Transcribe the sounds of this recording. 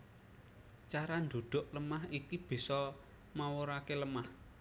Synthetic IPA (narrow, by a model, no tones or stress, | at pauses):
t͡ʃaɾand̪o̤d̪̥o̤ʔləmahikib̥i̤sɔ | mawoɾakeləmah